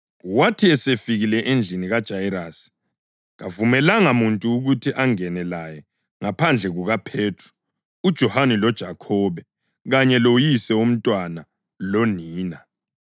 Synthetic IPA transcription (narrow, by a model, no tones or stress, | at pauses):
watʰiɛsefiɣilɛʔend͡ɮʱiniɣad̥ʒ̥ʱaiɾaːsi̥ | ɣavumɛlaŋamuntʼuːɣutʰiʔaŋɛnɛlajɛ | ŋapʰand͡ɮʱɛɣuɣapʰeːtʰru̥ | ud̥ʒ̥ʱɔhanilɔd̥ʒ̥ʱakʰɔːβɛ | ɣaɲɛlojisɛum̩tʼwana | lɔniːna